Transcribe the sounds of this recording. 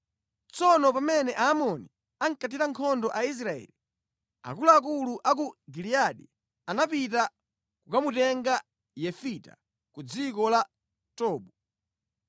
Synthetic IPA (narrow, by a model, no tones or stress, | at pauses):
t͡sɔnɔpamɛnɛʔaːmɔni | aŋ̩kat̬iɾaŋkʰɔndɔʔais̬ɾaɛ̰li | a̰kuluak̬uluʔak̬uɡiliaɗi | anapita | kukamutɛŋɡa | jɛfita̰ | kud͡zikɔla | tɔːɓu